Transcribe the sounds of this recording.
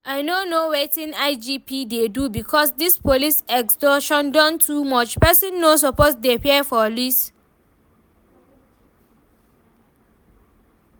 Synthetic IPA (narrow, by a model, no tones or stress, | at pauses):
aɪnonowetĩnaɪd͡ʒipidedubikʰɔsdispolisɛkstɔʃɔ̃ndɔ̃ntʰumɔt͡ʃpɛsĩnːos̬ɔposdeapiɛfɔlis